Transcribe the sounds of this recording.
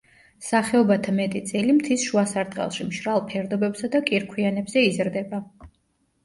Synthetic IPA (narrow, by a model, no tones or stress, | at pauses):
saχɛɔbat̪ʰamɛt̪ʼit̪sʼilimt̪ʰisʃuasaɾt̪ʼqʼɛ̰lˠʃimʃɾalˠpʰɛɾd̪ɔbɛbsad̪akʼiɾkʰwianɛbzɛizɾd̪ɛba